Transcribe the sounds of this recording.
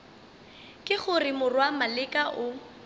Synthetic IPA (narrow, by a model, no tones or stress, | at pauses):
kʼɪχʊrɪmʊrwamalɪkʼaʔʊ